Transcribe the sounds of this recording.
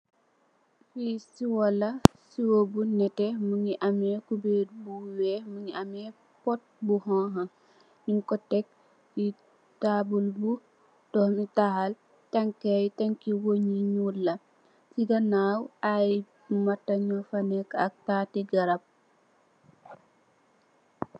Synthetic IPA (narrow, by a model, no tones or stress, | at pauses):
fisiwɔlɐsiwobunɛtɛmuŋiʔamɛkubeɾbuwɛmuŋiʔamɛ | pɔt̚buɦɔ̃ɦɐ | ɲiŋkɔtɛk̚ | ji | taːbulbu | tɔhmitahal | taŋkajtaŋkiwoɲiɲuɾlɐ | siɡɐnaːwaj | mɐtːɐɲɔfɐnɛkɐk̚taːtiɡɐɾɐb̚